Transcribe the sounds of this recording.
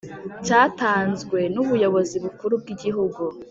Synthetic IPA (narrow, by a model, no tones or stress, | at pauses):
caːtaːnzɡwe̞nuβujo̞βo̞ziβukuɾub̚ɡiɟiɦuɡu